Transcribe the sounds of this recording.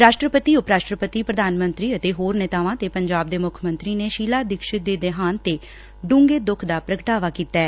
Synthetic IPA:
ɾaːʃʈɾəpət̪iːʊpɾaːʃʈɾəpət̪iːpɾəd̪ʱaːnmənt̪ɾiːət̪eːɦoːɾneːt̪aːʋãːt̪eːpəɲd͡ʒaːb̚d̪eːmʊkʰmə̃nt̪ɾiːneːʃiːlaːd̪ɪkʃɪt̪̚d̪eːd̪eɦaːnt̪eː | ɖũːŋɡeːd̪ʊkʰd̪aːpɾəkəʈaːʋaːkiːt̪ɛː

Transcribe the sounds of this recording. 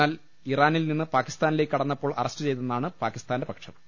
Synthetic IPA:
aːl | iraːnilninːɨpaːkːi̥st̪aːnile̞ːkʲːɐɽɐnːɐpːoːɭʔɐ̰rɐstɨt͡ɕe̞jt̪̬unːaːɳɨpaːkːist̪aːndebɐkʂɐm

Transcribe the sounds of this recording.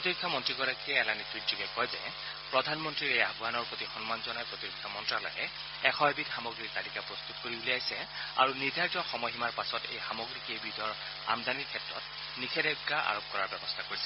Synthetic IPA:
potikʰːamɔntɹiɡɔɹakiɛɛlanitutzuɡɛkɔjzɛ̰ | pɹɔdʱanmɔntɹiɹejabʱwanɔɹpotixɔnmanzɔnajpɹotiɹikʰːamɔntɹalɔ̰jɛ̰ | ɛxɔɦbitxamoɡɹik̚talikapɹɔst̪utkoɹibuliajsɛa̰ɹunidʱajtɔxɔmɔɦimaɹpasɔtḛjxamoɡɹikebidɔɹ | a̰md̪aniɹkʰɛtɹɔ̰t | nikʰɛdɛɡaʔa̰ɹop̚kɔɹaɹbɛbɔstʰakoɹisɛ

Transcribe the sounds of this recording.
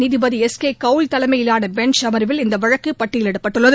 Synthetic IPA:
nɪðɪbɐðiɛskeːkɐʋlt̪ɐlɐmɐjɪlaːnɐbɛɳt͡ʃɐmɐɾɯʋɪlɪnd̪ɐʋɐɻɐkːɯpːɐʈːɪjɪlɛɽɐpːɐʈːɯɭːɐð

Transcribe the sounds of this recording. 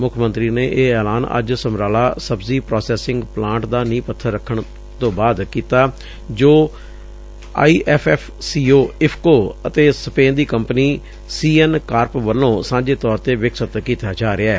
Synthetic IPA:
mʊkʰmənt̪ɾiːneːʔeːɛːlaːnə̰d͡ʒsəmɾaːlaːsəbziːpɾɔːsɛːsɪ̃ŋɡplãːɳʈd̪aːnĩːpət̪ʰːəɾəkʰəɳ | t̪õːbaːd̪kiːt̪aː | d͡ʒoː | a̰ːiːʔɛːpʰɛːpʰsiːoːɪpʰkoːət̪eːsəpẽːnd̪iːkəmpəniː | siːɛnkaːɾpʋəlːõːsãːɲd͡ʒeːt̪ɔːɾt̪eːʋɪksət̪kiːt̪aːd͡ʒaːɾɪaːɛː

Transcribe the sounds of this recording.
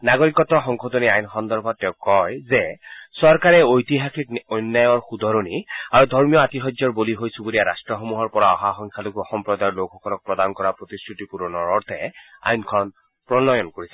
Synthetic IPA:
naɡoɹikɔtɔxɔŋxʰodoniajnxɔnd̪ɔɹbʱɔtːɛʊ̃kɔjzɛsɔɹkaɹɛojtiɦaxikɔjnːajɔɹxud̪ʱɔɹoniaɹudʱɔɹmijɔatiɦɔzzɔɹboliɦojsubuliaɹastɹɔxomuɦɔɹpɔɹaɔɦaxɔŋkʰaloɡuɔxɔmpɹɔd̪ajɔɹlokʰːɔkɔlɔk̚pɹɔd̪ankɔɹapɹot̪iskɹutipuɹɔnɔɹɔɹt̪ʰɛ̰a̰jnkʰɔn | pɹɔnɔjɔnkoɹisɛ

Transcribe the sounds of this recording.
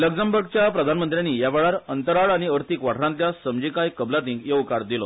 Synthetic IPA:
ləɡd͡zəmbəɾɡ̚t͡ɕjapɾəd̪ʱanmənt̪ɾjaniːjaʋeɭaɾənt̪əɾaɭaɽ̃iəɾt̪ikʋaʈʰɾãnt̪ljasəmd͡ʑikajkəblat̪ĩŋkjeukaɾd̪ilɔ

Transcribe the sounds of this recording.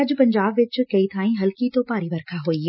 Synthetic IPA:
ɐd͡ʑpɐ̃ɲd͡ʑaːbʋɪt͡ʃkɐit̪ʰãːĩɦɐlkit̪opaːɾiʋɐɾkʰaɦoi

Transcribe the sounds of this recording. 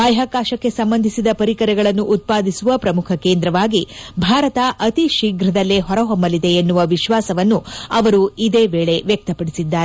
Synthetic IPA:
ɐjɦaːkaːʃɐkːe̞sɐmbɐnd̪ʱisid̪ɐpɐɾikɐɾɛɡɐɭɐnːuʔut̪̚paːd̪ʱisuʋɐpɾɐmukʰɐkeːnd̪ɾɐʋaːɡibʱaːɾɐt̪ɐʔɐt̪iʃiːɡɾɐd̪ɐlːeɦɔɾɐɦɔmbɐlid̪e̞ːnːuʋɐʋiʃʋaːsɐʋɐnːuɐʋɐɾuid̪eːʋeːɭe̞ʋjɐk̚t̪ɐpɐɽisid̪ːaːɾe

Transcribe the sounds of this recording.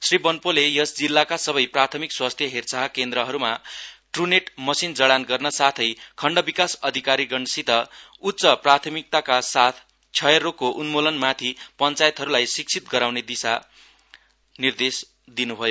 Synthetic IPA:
sribʌnpolejʌsd͡zilːakasʌbʌjprat̪ʰʌmikswast̪ʰjʌɦert͡saɦkend̪ɾʌɦʌɾumaʈruneʈmʌsind͡zʌɽanɡʌrnʌsat̪ʰʌjkʰʌɳɖʌbikasʌd̪ʱikaɾiɡʌɳsit̪ʌ | utːsʌprat̪ʰʌmik̚t̪akasat̪ʰ | t͡sʰʌjerokoʔunmolʌnmat̪ʰipʌnt͡sajet̪ɦʌɾulajsik̚t͡sʰit̪̚ɡʌɾawned̪isa | nird̪es | d̪inubʱʌjo

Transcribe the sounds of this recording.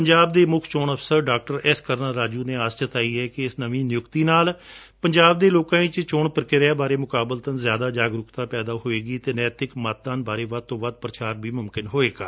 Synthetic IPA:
pəɲd͡ʒaːb̚d̪eːmʊkʰt͡ʃoːnəpʰsəɾɖaːk̚ʈəɾɪskəɾnaːɾaːd͡ʒuːneːaːst͡ʃət̪aːiːɛːkɪɪsnəʋĩːnɪjʊkt̪iːnaːl | pəɲd͡ʒaːb̚d̪eːloːkãːĩːt͡ʃt͡ʃʊːɳpəɾkɪɾaːbaːɾeːmʊkaːbəlt̪ənzjaːd̪aːd͡ʒaːɡɾʊkt̪ãːpɛːd̪aːɦoːeːɡiːt̪eːnɛːt̪ɪkmaːt̪̚d̪aːnbaːɾeːʋəd̪̚t̪õːʋəd̪̚pɾət͡ʃaːɾbiːmʊmkɪnɦoːeːɡaː

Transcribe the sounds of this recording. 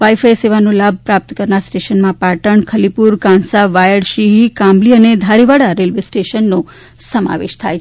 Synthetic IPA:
ʋaifajseʋanõlab̚ʱpɾap̚t̪əkəɾnaɾsʈeʃənmãpaʈəɳkʰəlipuɾkãnsaʋajəɽʃiɦikãmliəned̪ʱaɾiʋaɽaɾelʋesʈeʃənːo | səma̰ʋḛʃt̪ʰaj

